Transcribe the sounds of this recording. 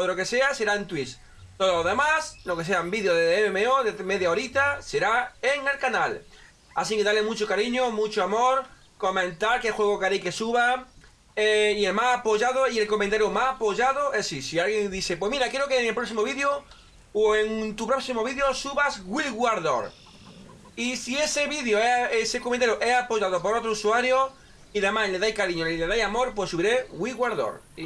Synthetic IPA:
t̪oðolokesease̞ɾaent̪wis | t̪oðoloðemaslokeseambiðjoðeememeoðemeðjaoɾit̪aseɾaeŋe̞lkanal | a̰sikeðalemut͡ʃokaɾiɲomut͡ʃoamoɾ | komẽnt̪aɾkexweɣ̞okaɾejkesuβa | eielmasapoʝað̞oie̞lkomẽnt̪aɾjomasapoʝaðoesisialɣjend̪iθepwe̞miɾakjeɾokeŋelpɾosimoβiðjo | oeŋt̪upɾoksimoβiðjosuβazɣwilɣwaɾðo̰ɾ | isieseβiðjoeesekomẽnt̪aɾjoʔeapoʝað̞opoɾot̪ɾousuaɾjo | iðemasleðajkaɾiɲolileðajamoɾpwesːuβiɾeɣwilɣwaɾðo̰ɾ

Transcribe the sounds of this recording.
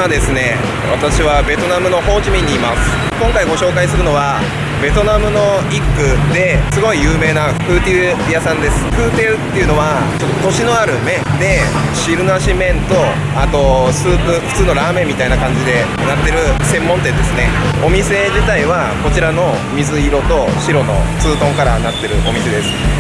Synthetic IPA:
ad̪e̞sɨne̞ | βa̰t̪aɕiβabe̞t̪o̞namɯ̟no̞ho̞ːkʲimʲĩɲ̟ːiːmasɨ̥ | kõ̞ŋkaiɡo̞ɕo̞ːkaisɨɾɯ̟no̞βa | be̞t̪o̞namɯ̟no̞ikːɯ̟d̪e̞sɨɡo̞ijɯ̟ːme̞ːna | kɯ̟ːt̪eɯ | jasãnd̪e̞sɨ̥ɸɯ̟ːt̪eɯt̪ːe̞iɯ̟no̞βa | t͡ɕo̞t̪ːot̪o̞ɕino̞aɾɯ̟mẽ̞nd̪e̞ | ɕiɾɯ̟naɕimẽ̞nt̪o̞ | at̪o̞sɨːpɯ̟ɸɯ̟̥t͡sɨːno̞ɾaːmemʲːit̪ainakãɲ̟d͡ʑid̪e̞ | nat̪ːe̞ɾɯ̟sẽ̞mːont̪eed̪e̞sɨne̞ | o̞mʲise̞d͡ʑit̪aiβa | ko̞t͡ɕiɾano̞ | mʲizɨiɾo̞t̪o̞ɕiɾo̞no̞̰t͡sɨːt̪õ̞ŋkaɾanat̪ːe̞ɾɯ̟ʔo̞mʲise̞d̪e̞sɨ̥

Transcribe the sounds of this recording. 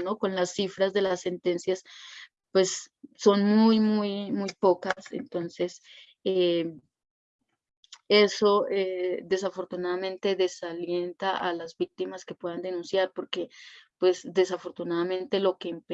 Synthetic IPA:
no̞ko̞nlasːifɾazd̪e̞lasːe̞nt̪e̞nsjas | pwe̞sːo̞nmujmujmujpo̞kasḛnt̪o̞nse̞s | e | e̞so̞ed̪e̞safo̞ɾt̪unaðamẽ̞nt̪e̞ðe̞salje̞nt̪aʔalazbik̚t̪imaske̞pwe̞ðand̪e̞nũnsjaɾpo̞ɾke̞pwe̞sd̪e̞safo̞ɾt̪unaðamẽ̞nt̪e̞lo̞ke̞ːmp

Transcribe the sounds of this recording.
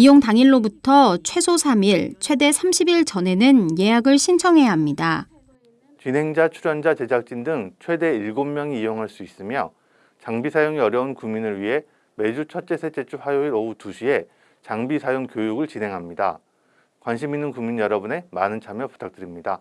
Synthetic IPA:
ijoŋtaŋiɭːobutʰʌt͡ɕʰwe̞sʰosʰamiɭt͡ɕʰwe̞de̞sʰamɕʰibiɭt͡ɕʌne̞nɯnje̞jaɡɯɭɕʰint͡ɕʰʌŋɦe̞jaɦamɲida | t͡ɕinɦe̞ŋd͡ʑat͡ɕʰuɾjʌnd͡ʑat͡ɕe̞d͡ʑak̚t͡ɕ͈indɯŋt͡ɕʰwe̞de̞iɭɡomːjʌŋiijoŋɦaɭs͈uis͈ɯmjʌ | t͡ɕaŋbisʰajoŋiʌɾjʌunkuŋminɯɭɥiɦe̞ | me̞d͡ʑut͡ɕʰʌt͡ɕ͈e̞sʰe̞t͡ɕ͈et͡ɕ͈ʰuɸwajoiɾʌutuɕʰie̞ | t͡ɕaŋbisʰajoŋkjojuɡɯɭt͡ɕinɦe̞ŋɦamɲida̰ | kwanɕ̬ʰiminːɯnkuŋmiɲjʌɾʌbune̞manɯnt͡ɕʰamjʌpu̥tʰak̚t͈ɯɾimɲida

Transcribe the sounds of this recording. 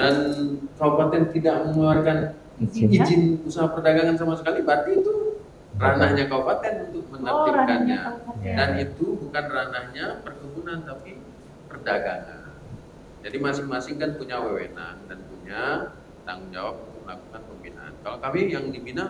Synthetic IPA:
dankaupat̪ɛnt̪idaʔ̚məŋuarkan | id͡ʒɪnusaɦapərdaɡaŋans̬amasəkalibat̪iːt̪u | ranahɲakaupat̪ɛnunt̪ʊk̚mənairkanɲadanit̪ubukanranahɲapərkubunant̪api | pərdaɡaŋa̰n | d͡ʒadimasɪŋmasɪŋkanpuɲawewḛna̰ŋdanpuɲa | t̪aŋʊŋd͡ʒa̰wap̚unt̪ʊk̚məlakukanpəmpina̰ʔa̰nkalok̪amijaŋdibinaŋ

